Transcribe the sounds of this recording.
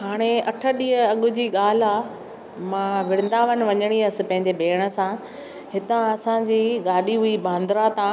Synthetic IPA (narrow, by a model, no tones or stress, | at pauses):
ɦaːɽ̃eɐʈʰəɗiːɦəɐɠʊ̆d͡ʑiːɠaːl̤a | mãːʋɪɽ̃ɪn̆d̪aʋənɪ̆ʋɐɲəɽ̃iɐsɪ̆pɐ̃ɦɪ̃ɲd͡ʑebʱeːɽ̃ə̆sã | hɪt̪ãɐsãd͡ʑiːɠaːɗiɦuibãːnd̪ɾat̪ãː